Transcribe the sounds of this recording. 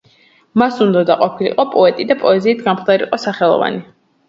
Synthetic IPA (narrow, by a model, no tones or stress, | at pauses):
masund̪ɔd̪aqʼɔpʰilḭqʼɔpʼɔɛt̪ʼid̪apʼɔɛziːt̪ʰɡamχd̪aɾḭqʼɔsaχɛlˠɔ̰va̰ni